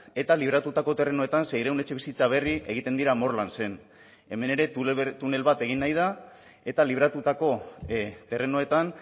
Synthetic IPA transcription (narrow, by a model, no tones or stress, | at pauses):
e̞t̪aliβ̞ɾat̪ut̪ako̞t̪e̞re̞no̞e̞t̪ansejɾewne̞t͡ʃe̞βisit͡saβ̞e̞riʔe̞ɣit̪e̞nd̪iɾamo̞rlanse̞n | e̞me̞ne̞ɾe̞t̪ut̪une̞lβat̪e̞ɣ̞inːajð̞a | e̞t̪aliβ̞ɾat̪ut̪ako̞t̪e̞re̞no̞e̞t̪an